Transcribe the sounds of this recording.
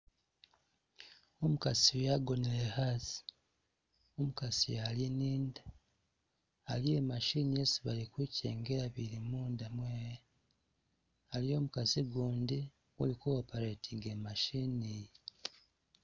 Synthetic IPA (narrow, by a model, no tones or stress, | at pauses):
omukasijaɡo̞nilehasi̥ | omukasijaliniːnda | aliemaʃiːniesiβalikwiːceːŋɡeɾaβiɾimuːndamweːje | alijo̞ːmukaziɡuːndi | ṵlikuwopaɾetʰiɡemaʃiːnij